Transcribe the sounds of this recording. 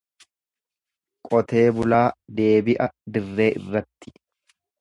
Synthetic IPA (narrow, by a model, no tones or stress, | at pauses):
kʼɔt̪e̞ːbʊlaːd̪e̞ːbɪʔɐd̪ɪrːe̞ːʔɪ̰rːɐt̪ːɪ̥